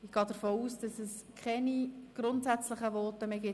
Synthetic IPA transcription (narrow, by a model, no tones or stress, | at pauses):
ɪɡ̥ɑːd̥əɾfoːuːsd̥ɑsɛskχɛniɡ̥ɾʊntsæt͡slɪχəʋɔːtəmeːɡɪ